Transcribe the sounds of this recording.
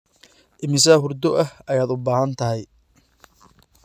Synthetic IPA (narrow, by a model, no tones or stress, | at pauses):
ʔɪmɪsɐɦʊrd̪ɔʔɐhɐjaːd̪ʊbaːɦɐnt̪ʰɐɦɛj